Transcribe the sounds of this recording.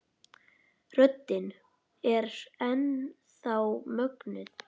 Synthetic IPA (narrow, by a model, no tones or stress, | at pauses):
r̥œt̪ːɪn | ɛɾɛn | θawmœknʏð